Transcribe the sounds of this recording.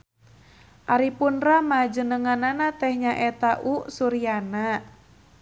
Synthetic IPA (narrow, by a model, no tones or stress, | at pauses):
ʔaɾipunramad͡ʒənəŋananat̪ɛhɲaʔɛt̪aʔusuɾiana